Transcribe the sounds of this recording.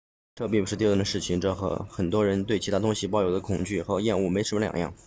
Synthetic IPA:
ʈ͡ʂɤ˥˧p̬i˥˩ŋp̬ʰʂɻ̩˥˧i˥˧t̪ə˩ʂɻ̩˥˩t͡ɕʰi˨˩ŋʈ͡ʂɤ˥˩xɤ̰˧˥xə˨˩nt̪wɔ˥ɻə˧˥nt̪we˥˩ɪt͡ɕʰi˧˥t̪ʰa˥t̪ʊ˥ŋɕi˨˩pɑ˥˩ʊjo˨˩ʊd̪ə˦˥kʰʊ˨˩ŋt͡ɕy˥˩xɤ˧˥jɛ˥˧nu˥˩me˧˥ɪʂə˧˥mə˧ljɑ̰˨˩ŋjɑ̰˥˩ŋ

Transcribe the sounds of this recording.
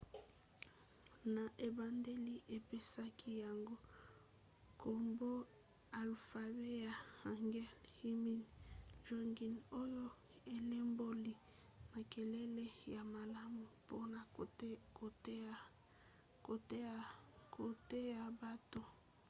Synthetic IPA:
na˨ʔe˨ba˨nde˦li˦ʔe˨pe˦sa˦kʰi˦ja˨ŋɡo˦ | kʰo˨mbo˦ | a˨lfa˨be˦ja˨ha˨ŋɡɛ˦lhi˦mi˦nd͡ʒɔ˦ŋɡi˨no˦jo˦ | e˨le˦mbo˦li˨ | ma˨ke˨lɛ˦le˦ja˨ma˨la˦mu˨po˦na˨ko˨t | ko˨te˦a˨kʰo˨te˦ja˨ba˦to˨

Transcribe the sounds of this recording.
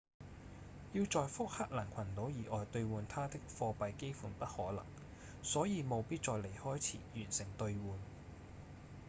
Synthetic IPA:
jiː˧wt͡sɔː˨jfʊ˥k̚ha˥k̚laː˨˩nkʷʰɐ˨˩nt̪o˨˥wjiː˨˩ʔɔː˨jt̪ɵ˧ɥwuː˨˧nt̪ʰaː˥t̪ɪ˥k̚fɔː˧pɐ˧jke˥jfuː˨˧npɐ˥t̚hɔː˨˥lɐ̰˨˩ŋ | sɔː˨˥jiː˨˧mo˨˧wpiː˥t̚t͡sɔː˨˧jle˨˩jhɔː˥jt͡sʰḭː˨˩jyː˨˩nsɪ˨˩ŋt̪ɵ˧ɥwuː˨n

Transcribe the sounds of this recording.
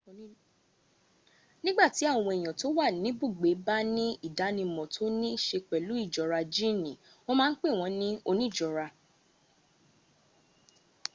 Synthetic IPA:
nĩ˦ɡ͡ba˦˨ti˨˦a˦˨w̃ɔ̃˧e˨j̃ã˨to˨˦wa˦˨nĩ˨˦bo˦˨ɡ͡be˨˦ba˦nĩ˦i˦˨da˨˦nĩ˧mɔ̃˨tʰo˦nĩ˦ʃe˧k͡pɛ˨lu˨˦i˦˨d͡ʒɔ˨ɾa˧d͡ʒi˦˨nĩ˨ | wo˦mãː˦˧n̩˦k͡pe˦˨w̃ɔ̃˧˦nĩ˦o˧nĩ˦˨d͡ʒɔ˨ɾa˧

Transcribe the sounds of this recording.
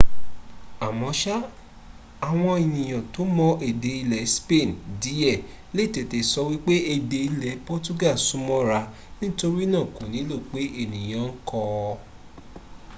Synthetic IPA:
a˨mɔ̃˨˦ʃa˦ | a˨w̃ɔ̃˧i˨nĩ˨j̃ã˨to˨˦mɔ̃˧e˨de˨i˧lɛ˨˦spe˦˨ndi˨˦ɛ˦˨ | le˦˨te˨te˨sɔ˧wi˦k͡pe˦e˧de˧i˧lɛ˨˦pɔ˦tu˦ɡa˦˨su˨˦mɔ̃˦ɾa˧ | nĩ˦to˦ɾi˦nã˦˨ko˨nĩ˨˦lo˦˨k͡pe˨˦e˦˨nĩ˨j̃ã˨˦ŋ̩˦kɔ˧

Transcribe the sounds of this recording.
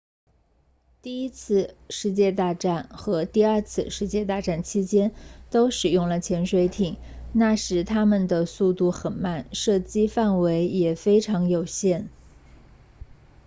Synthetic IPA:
t̪i˥˩i˥t͡sʰɹ̩˥˧ʂɻ̩˥˧t͡ɕjɛ˥˧t̪a˥˧ʈ͡ʂa˥˩nxɤ˧˥t̪i˥˧ə˞˥˧t͡sʰɹ̩˥˧ʂɻ̩˥˧t͡ɕjɛ˥˧t̪a˥˧ʈ͡ʂa˥˩nt͡ɕʰi˥t͡ɕjɛ˥nt̪o˥ʊʂɻ̩˨˩jʊ˥˩ŋlə˩t͡ɕʰjɛ˧˥nʂwe˧˥ɪt̪ʰi˨˩˦ŋ | na˥˩ʂɻ̩˧˥t̪ʰa˥mə˨nd̪ə˩su˥˧t̪u˥˩xə˨˩nma˥˩nʂɤ˥˩t͡ɕi˥fa˥˩nwe˧˥ɪjɛ˨˩fe˥ɪʈ͡ʂʰɑ˧˥ŋjo˨˩ʊɕjɛ˥˩n

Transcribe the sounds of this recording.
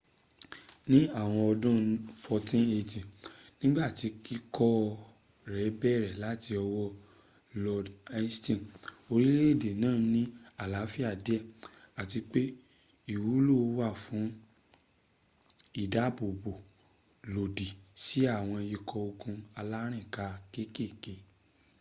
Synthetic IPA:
nĩ˦a˦˨w̃ɔ̃˧ɔ˧dũ˦fɔ˧tĩ˦ne˧tĩ˨nĩ˦ɡ͡ba˦˨ti˧ki˦kɔ˦ | ɾɛ˨˦bɛ˦˨ɾɛ˨la˨˦ti˧ɔ˧wɔ˦ | lɔ˧da˧˦stĩ˦˨o˧ɾi˦le˦˨de˨nãː˦˨˦nĩ˦a˦˨la˨˦fi˦a˦˨de˨˦ɛ˦˨ | a˨ti˧k͡pe˦ | i˦˨wu˨˦lo˦˨˧wa˦˨fũ˨˦ | i˦˨da˨˦˨bo˨bo˨ | lo˨di˨si˨˦a˦˨w̃ɔ̃˧i˧kʰɔ˧o˧kũ˧a˧la˦ɾ̃ĩ˦˨ka˧ke˦ke˦˨ke˧

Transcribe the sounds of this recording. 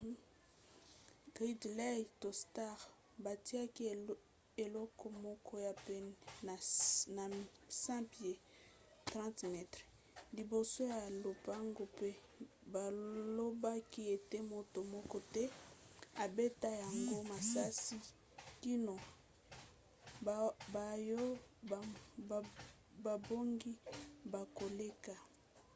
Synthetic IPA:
ɡʁi˦dlɛ˦jto˨sta˦˨ʁ | ba˨ti˦a˦ki˦ | e˨lɔ˦kɔ˦mɔ˦kɔ˦ja˨pe˦na˨na˨sɛ̃˦pje˨ | tʁɑ̃˦tmɛ˦tʁe˨ | li˨bo˨so˦ja˨lo˨pa˦ŋɡo˦pe˦ | ba˨lo˦ba˦ki˦e˨te˦mo˨to˨mɔ˦kɔ˦tɛ˦a˨be˦ta˦ja˨ŋɡo˦ma˨sa˦si˦ | ki˦no˨ | ba˨jo˦˨ | ba˨bo˦ŋɡi˦ba˨ko˨le˦ka˨

